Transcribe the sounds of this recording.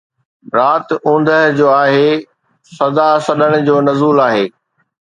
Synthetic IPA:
ɾaːt̪ũːn̆d̪ʱəɦd͡ʑoːaːɦeː | sɐd̪asɐɗəɽ̃ʊ̆d͡ʑoːnɐzuːlaːɦeː

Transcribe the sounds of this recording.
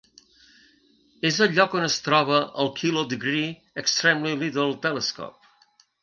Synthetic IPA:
ezəʎːɔkonəst̪ɾɔβəəlˠkʰilod̪əɡɾi | əkst̪ɾɛmlilit̪əɾəlˠt̪ɛləskɔ̰p̚

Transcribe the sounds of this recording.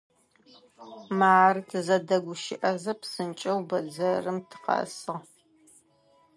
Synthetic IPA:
maːrɨtʰɨzɐdɐɡʷʊʃɪʔɐzɐpsɨnt͡ʃʼɐwbɐd͡zɐrɨmtʰɨ̥qɐ̰sɨʁ

